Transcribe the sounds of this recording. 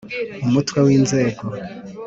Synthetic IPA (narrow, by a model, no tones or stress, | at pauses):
umutwawiːnze̞ːɡo